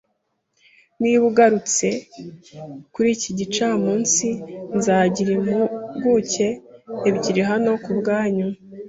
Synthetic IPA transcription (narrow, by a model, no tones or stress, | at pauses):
niβuɡaɾut͡se̞ | kuɾiːciɟit͡ʃaːmuːnsinzaːɟiɾimhuɡuce̞ːβɟiɾiɦano̞kubɡaːɲu